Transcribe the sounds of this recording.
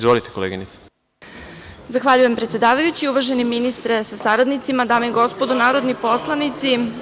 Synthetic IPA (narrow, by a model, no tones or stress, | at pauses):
izvʋolit̪ekoleːɡinit̪sḁ | zaxʋaʎujempɾet̪sjed̪aːʋajut͡ɕiuʋaʒeniminist̪ɾesasaɾad̪nit̪simad̪aːmeiɡo̞spod̪unaːɾo̞d̪nipo̞slˠanit̪si